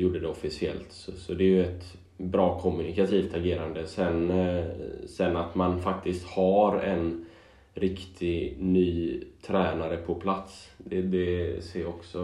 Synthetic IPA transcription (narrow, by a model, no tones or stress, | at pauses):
juːɖəd̪ɛɔfɪsɪɛ̰lt̪ssɔd̪ɛːjɵɛt̪ | bɾɑːkʰɔmɵnɪkat̪ʰiːft̪ʰaɡeːɾand̪əsɛn | sɛnːat̪manfak̚t̪ɪst̪haɾɛn | ɾɪkt̪ʰɪnyːt̪ʰɾɛːnaɾəpʰɔpʰlat̪sd̪ɛd̪ɛseːɾɔksɔ